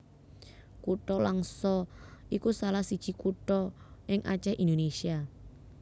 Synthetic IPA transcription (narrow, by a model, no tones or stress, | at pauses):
kuʈɔlaŋsɔʔikusalahsid̥ʒ̥i̤kuʈɔʔɪŋʔa̰t͡ʃɛʔind̪onesia